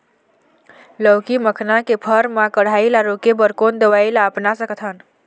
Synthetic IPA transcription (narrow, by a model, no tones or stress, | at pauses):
ləwkiməkʰnakepʰəɾmãkəɽ̤ailaɾokebəɾkond̪əʋailaəpnasəkət̪ʰən